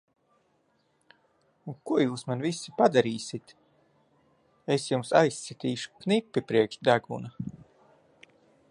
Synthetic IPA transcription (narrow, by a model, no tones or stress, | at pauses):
ukuɔjuːsmanvisːi̥pad̪aɾiːsit̪ | esjumsajsɛt̪iːʃu̥knipʲːipɾiɛkʃd̪aɡṵna